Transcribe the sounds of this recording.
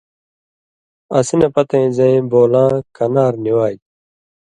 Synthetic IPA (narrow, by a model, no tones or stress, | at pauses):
ɐsinɐpɐt̪ɐ̃ĩzɐ̃ĩboːlãːkɐnaːɾniwaːj